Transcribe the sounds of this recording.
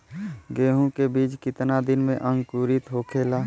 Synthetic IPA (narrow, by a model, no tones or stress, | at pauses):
ɡeːɦũkebiːt͡ʃkɪt̪nad̪ɪnmẽʔə̃ŋɡkuːɾɪt̪ɦoːkʰeːlaː